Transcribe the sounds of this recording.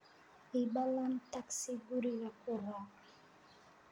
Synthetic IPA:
ibawantaksiɡuɾiɾakuɾa

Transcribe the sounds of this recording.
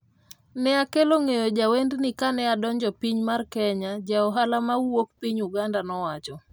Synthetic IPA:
nɛakeloŋejod͡ʒawendnikanɛadɔɲd͡ʒɔpiɲmarkɛɲad͡ʒaɔɦalamauwok̚piɲuɡandanɔwat͡ʃɔ

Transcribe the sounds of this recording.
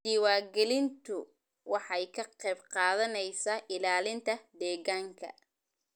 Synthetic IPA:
d̪iːwaːɡɛlɪnt̪ʰʊ | wɑħɑjkʰɐqɛjbqɑːðɐnɛjsaːʔɪlaːlɪnt̪ʰɐd̪ɛːɣaːŋkʰɐ̰

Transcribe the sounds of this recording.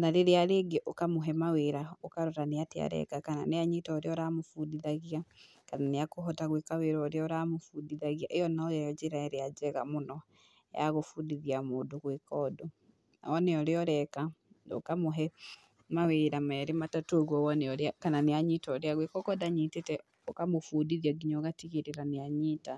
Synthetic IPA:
naɾeɾeaɾeːɡeʔokamoɦɛmaweɾaokaɾoɾaneatea̰ɾɛ̰kakana̰neaɲitɔːɾeɔɾamofudiðaɣia | kananeakoɦɔtaɣwekaweɾɔɾeɔɾamofudiðaɣiaʔejɔnaojaɔd͡ʒeɾaɛɾead͡ʒɛɣa̰monɔ | jaɣofudiðiamoːdoɣwekɔːdo | na̰ɔneɔɾeɔɾɛka | no̰kamoɦɛ | maweɾamɛːɾematatoɣwɔwɔneɔɾeakananeaɲitɔɾeaɣwekɔkɔdaɲitetɛ | ɔkamofudiðiaɡiɲɔɣatiɣeɾeɾaneaɲita

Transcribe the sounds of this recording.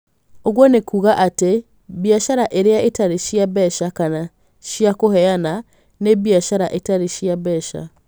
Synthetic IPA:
oɣwɔnekuɣaʔate | biaʃaɾaʔeɾeaetaɾeʃiaβɛʃakana | ʃiakohɛana | neβjaʃaɾaʔetaɾeʃiaβɛʃa̰

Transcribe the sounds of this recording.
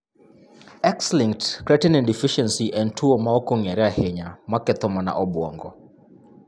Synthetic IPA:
ɛksliŋtkɾɛtɛnɛ̃ndifiʃɛnsiʔɛ̃ntʰuomaɔkɔŋɛɾɛahɛɲamakɛt̪ɔmana̰ʔɔbwɔŋɡɔ

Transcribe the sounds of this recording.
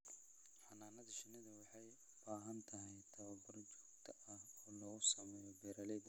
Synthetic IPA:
ħɑnaːnɐðɐʃɪnɪðɐwɑħɑj | b̥aːɦɐnt̪ʰɐɦɛjt̪ʰɐβɐbɐrt͡ʃɔ̥ːɡt̪ʰɐʔɐhɔːlɔɣʊsɐmɛːjɔbɛːɾɐlɛb

